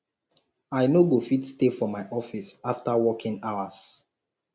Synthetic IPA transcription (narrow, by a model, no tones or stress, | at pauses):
aɪnoɡofitstefɔmaɪʔɔfisaftawɔkʰĩŋaʊas